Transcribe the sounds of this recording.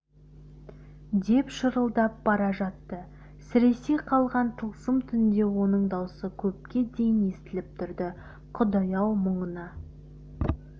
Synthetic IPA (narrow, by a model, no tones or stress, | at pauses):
d̪e̞pʃəɾəlˠd̪ɑp̚bɑɾɑʒɑt̪ːə | sɪɾe̞se̞jqʰɑlˠʁɑnt̪ʰəlˠsəmt̪ʰʏnd̪e̞wo̞nəɴd̪ɑwsəkʲʰɵp̚kʲe̞d̪e̞jɪne̞st̪ɪlɪp̚t̪ʰʏɾd̪ɪ | qʰʊd̪ɑjɑwməɴənɑ